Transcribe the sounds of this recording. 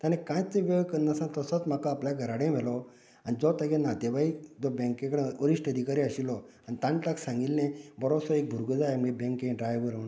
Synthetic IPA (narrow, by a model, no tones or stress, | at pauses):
t̪ãnẽkãjt͡sẽʋəɡkənnasãnt̪əsət͡sm̤akaːpljaɡʱəɾaɽẽmelɔ | anid͡zɔt̪ãɡẽnat̪eʋaid͡zɔbɛ̃ŋkẽkɽẽəɾiʂʈəd̪ʱikaɾiəɕilɔanit̪ãnʈaksãŋɡilnẽbəɾosəek̚bʱuɾɡəd͡zaeməɡebɛ̃ŋkẽɖɾajʋəɾən